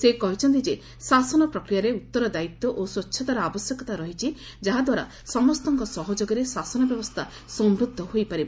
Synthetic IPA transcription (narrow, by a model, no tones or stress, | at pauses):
sekɔɦit͡ʃʰɔnt̪id͡ʒe | sasɔnɔpɾɔkɾijaɾeut̪ːɔɾɔd̪ait̪ːɔʔoswɔtːʃʰɔt̪aɾaabɔsjekɔt̪aɾɔɦit͡ʃʰi | d͡ʒaɦad̪waɾa̰ | sɔmɔst̪ɔŋkɔsɔɦɔd͡ʒoɡɔɾesasɔnɔbjɔbɔst̪ʰa | sɔmbɾud̪ʱːɔɦojpaɾibɔ